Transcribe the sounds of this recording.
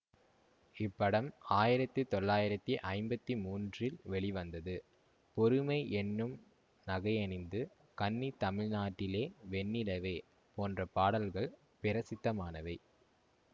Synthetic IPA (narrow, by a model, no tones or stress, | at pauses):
ɪpːɐɽɐmaːjɪɾɐt̪ːɯt̪ɔɭːaːjɪɾɐt̪ːiʔɐɪmbɐt̪ːimuːndrɪlʋɛɭɪʋɐnd̪ɐðɯ | pɔɾɯmɐɪʔɛnːɯm | nɐɣɐɪɐnɪnd̪ɯ | kɐnːit̪ɐmɪɻnaːʈːɪleːʋɛnːɪɽɐʋeː | poːndrɐpaːɽɐlɣɐɭ | pɪɾɐsɪt̪ːɐmaːnɐʋɐɪ